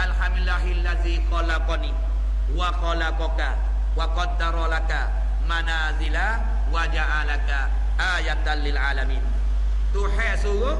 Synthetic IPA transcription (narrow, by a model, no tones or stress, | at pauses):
ʔalħamdlːaːɦɪalːaðiːxɔlaqɔniː | waxɔlaqɔka | waqɑd̪ːɑɾˤɔlaka | manaːzɪla | wad͡ʒaʕalaka | ʔaːjat̪alɪlʕaːlamiːn | t̪ʊħɛsʊɡo